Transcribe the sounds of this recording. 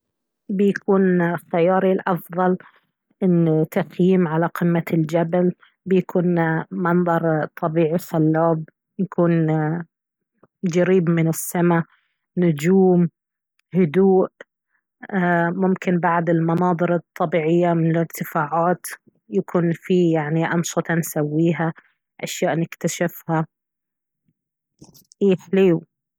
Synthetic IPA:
bɪjakuːnxajɑːɾilʔɑfðˤɑl | ʔɪnːt̪ːaxjiːmʕalaqɪmːald͡ʒabal | bɪjakʰuːnmɑnðˤɑɾˤt̪ˤːɑbiːʕisalːaːb̚ | jakuːn | d͡ʒaɾiːbmɪnɪsːama | nʊd͡ʒuːm | hʊd̪uːʔ | mʊmkɪnbaʕd̪ɪlmɑnɑːd̪ˤɨɾɨt̪ˤːɑbiːʕɪjːamɪnɪlɪɾt̪ɪfaːʕaːt̪ | jakʰuːnfijaʕniʔɑnsɨt̪ˤɑnsawːiːɦa | ʔaʃjaːʔnɪkt̪aʃɪfha | ʔiːħliːw

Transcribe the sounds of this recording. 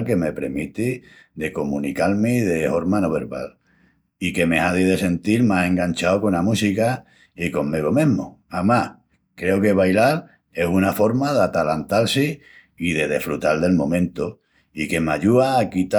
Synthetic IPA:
lke̞me̞pɾemit̪i | d̪e̞ko̞mũnikalmeðe̞ho̞ɾmanoβe̞ɾβa̰l | ike̞me̞aðiðe̞se̞nt̪ilmasẽ̞ŋɡant͡ʃaokonamusika | iko̞mmeɣomẽɦmo̰amah | kɾe̞oke̞βajlal | e̞sunafo̞ɾmaðat̪alant̪alsi | iðe̞ðe̞̰fɾut̪alðe̞lmõ̞mẽnt̪o | ike̞maʎuaːkit̪a

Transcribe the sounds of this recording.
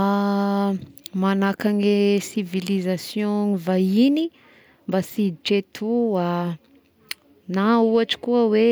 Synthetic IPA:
manakaŋesivilizasjõŋivaini | mbasiʈ͡ʂet̪ʰua | nauaʈ͡ʂi̥kuəwe

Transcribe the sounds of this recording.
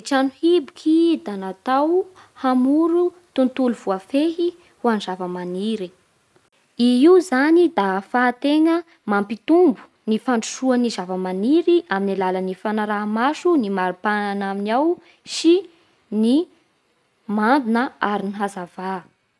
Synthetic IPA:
ʈ͡ʂanuhibukʰid̪anat̪awhamuɾu | t̪unt̪uluv̥uafeɦi | huanzavəmaniɾi | iiuzanid̪afaːt̪eŋə | mampit̪umbu̥ | nifaɳɖ͡ʐuʃuanizavəmaniɾiʔaminalalənifanaɾamaʃunimaɾipananaminaw | si | ni | mand̪unəaɾiniɦazava

